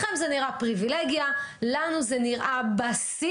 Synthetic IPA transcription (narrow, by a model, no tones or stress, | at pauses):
χemzeniʁapʁivileɡjalanuzeniʁʔabasi